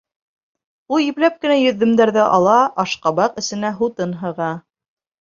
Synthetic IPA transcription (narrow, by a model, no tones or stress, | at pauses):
ulˠjĭplæp̚kɘ̆næjɵ̆ðːɘ̆md̪æɾðɘʔɑlˠɑʔɑʃqɑbɑqɘ̆sɘ̆næɦut̪ɤnɦɤ̆ʁɑ